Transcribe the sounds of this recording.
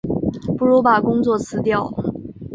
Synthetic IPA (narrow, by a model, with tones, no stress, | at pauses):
pu˥˩ɻu˧˥pa˨˩kʊ˥ŋt͡swɔ˥˩t͡sʰɹ̩˧˥t̪jɑ˥˩ʊ